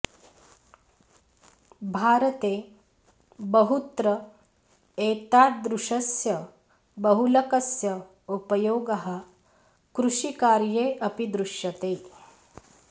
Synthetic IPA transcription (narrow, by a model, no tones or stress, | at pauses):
bʱaːɾɐt̪eː | bɐɦut̪ɾɐ | eːt̪aːd̪ɾuʂɐsjɐ | bɐɦulɐkɐsjɐ | upɐjoːɡɐɦɐ̆ | kɾuʃikaːɾjeːʔɐpid̪ɾuʃjɐt̪eː